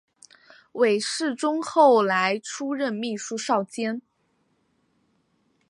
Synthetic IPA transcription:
we˨˩ɪʂɻ̩˥˩ʈ͡ʂʊ˥ŋxo˥˩ʊla˧˥ɪʈ͡ʂʰu˥ɻə˥˧nmi˥˩ʂu˥ʂɑ˥˩ʊt͡ɕjɛ˥n

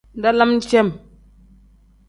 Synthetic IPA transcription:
nda˦la˦m˦t͡ʃe˦m

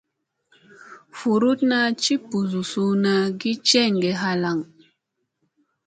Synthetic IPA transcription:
fu˨ɾu˦tna˦t͡ʃi˦pu˨zu˨su˦na˦ɡi˦t͡ʃɛ˦˨ŋɡe˨ɦa˦la˨ŋ

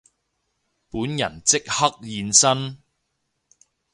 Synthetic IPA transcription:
puː˨˥njɐ̰˨˩nt͡sɪ˥k̚hɐ˥k̚jiː˨˧nsɐ˥n

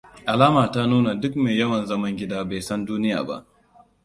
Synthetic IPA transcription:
ʔa˨laː˦maː˨ta˦nuː˦na˨dʊ˦kme˨jjɐ˦wɐ˨nzɐ˦mɐ˦ŋɡʲɪ˦daː˦ba˨jsɐ˦nduː˦nɪ˦ja̰ː˨ba̰˦ʔ

